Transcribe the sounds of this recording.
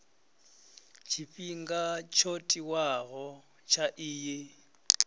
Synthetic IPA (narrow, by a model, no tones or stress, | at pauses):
t͡ʃʰiɸʼiŋɡat͡ʃʰotʼiwaɣɔ | t͡ʃʰaʔɪːjɪ